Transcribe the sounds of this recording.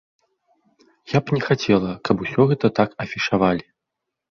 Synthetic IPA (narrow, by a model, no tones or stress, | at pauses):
japnʲɛxat͡sʲɛlˠɐkʰɐpusʲɔɣɛt̪ɐt̪akɐfʲiʂavalʲi